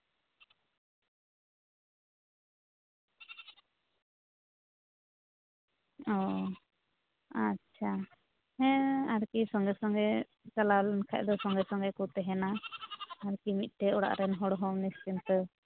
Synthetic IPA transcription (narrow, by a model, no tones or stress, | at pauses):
ɔ | atːt͡ʃʰa | hɛ̃aɾkisɔŋɡɛsɔŋɡɛ | t͡ʃalawlɛnkʰa̰ʔ̚d̪ɔsɔŋɡɛsɔŋɡɛkut̪ɛɦɛna | aɾkimit̪̚ˀʈɛɔɽa̰ʔɾɛnɦɔɽɦɔmnist͡ʃint̪ə